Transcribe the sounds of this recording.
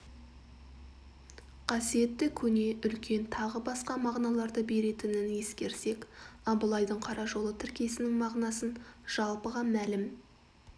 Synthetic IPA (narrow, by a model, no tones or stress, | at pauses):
qʰɑsije̞t̪ːɪkʲʰɵne̞ʔʏlkʲe̞nt̪ʰɑʁəbɑsqɑmɑʁnɑlˠɑɾd̪əbe̞ɾe̞t̪ɪnɪnje̞skʲe̞ɾse̞kɑbəlˠɑjd̪əɴqʰɑɾɑʒo̞lˠət̪ʰɪɾkʲie̞sɪnɪŋmɑʁnɑsənʒ̥ɑlˠpəʁɑmælɪm